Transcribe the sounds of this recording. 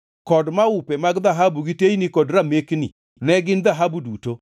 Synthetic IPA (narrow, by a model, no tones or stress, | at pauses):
kɔdmaupɛmaɡðaɦabuɡiteinikɔdɾameknḭ | nɛɡɪnðaɦabuduto